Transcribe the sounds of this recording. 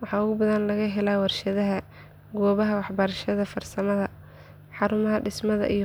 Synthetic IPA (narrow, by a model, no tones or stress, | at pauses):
wɑħɑːʊɣʊbɐðɐnlɐɣɐɦɛlawɐrʃɐðɐɦɐ | ɡɔːβɐɦɐwɑħbɐɾʃɐðɐfɐrsɐmɐðɐ | ħɑɾʊmɐɦɐɖɪsmɐðɐ̰ʔi